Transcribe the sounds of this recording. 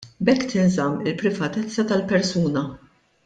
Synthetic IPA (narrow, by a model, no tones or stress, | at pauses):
bɛkːt̪ɪnzɐmːɪlpɾɪvɐt̪ɛt͡sːɐt̪ɐlpɛɾsuːnɐ